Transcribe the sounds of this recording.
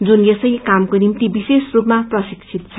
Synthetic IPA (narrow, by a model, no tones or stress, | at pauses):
d͡zunjesʌjkamkonimt̪ibisesrupmaprʌsikt͡sʰit̪t͡sʰʌ̥